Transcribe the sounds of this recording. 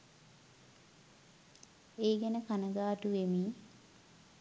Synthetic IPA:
eːɡɛnəkanəɡaːʈuʋemiː

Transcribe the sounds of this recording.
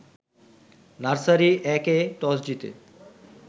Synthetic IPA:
naɾsaɾiʔɛkeʈɔsd͡ʑit̪ḛ

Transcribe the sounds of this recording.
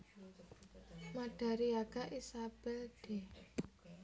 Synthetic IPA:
maɖ̥a̤ɾiaɡ̥a̤ʔisab̥ɛlɖ̥e̤

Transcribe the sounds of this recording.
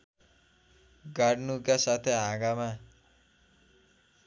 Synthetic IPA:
ɡaɽnukasat̪ʰeɦãɡama

